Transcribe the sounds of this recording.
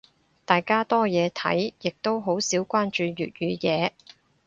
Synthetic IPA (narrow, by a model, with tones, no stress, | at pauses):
t̪aː˨jkaː˥t̪ɔː˥jɛː˨˧t̪ʰɐ̰˨˥jjɪ˨k̚t̪o˥wɦo˨˥wsiː˨˥wkʷaː˥nt͡ʃyː˧ɥy̰ː˨˩t̚jyː˨˧jɛː˨˧